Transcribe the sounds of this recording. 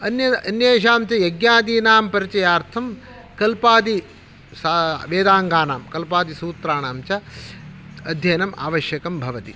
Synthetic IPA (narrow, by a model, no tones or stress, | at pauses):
ɐnjɐɐnjeːʃ̬aːmt͡ʃɐjɐɡjaːd̪iːnaːmpɐɾit͡ʃɐjaːɾt̪ʰɐm | kɐlpaːd̪i | saʋeːd̪aːŋɡaːnaːmkɐlpaːd̪isuːt̪ɾaːnaːmt͡ʃɐ | ɐd̪ʱjɐjnɐma̰ːʋɐʃjɐkɐmbʱɐʋɐt̪i